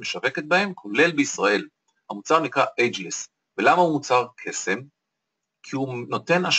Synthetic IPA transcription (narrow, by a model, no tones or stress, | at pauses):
meʃave̞ket̪̚bahe̞mkʰo̞le̞lbeisʁae̞l | hamut͡saʁnikʁaʔed͡ʒles | velamaumut͡saʁkʰe̞se̞m | kʰiuno̞t̪e̞naʃ